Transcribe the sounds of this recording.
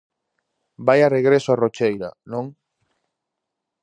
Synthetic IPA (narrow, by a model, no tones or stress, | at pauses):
bajareɣ̞ɾesoarot͡ʃejɾa̰nõŋ